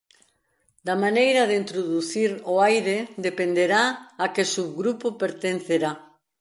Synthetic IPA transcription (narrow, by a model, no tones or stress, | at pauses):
d̪ɐmanejɾɐðeint̪ɾoðuθiɾoajɾed̪epend̪eɾaakɪsuβɣɾupʊpeɾt̪enθeɾa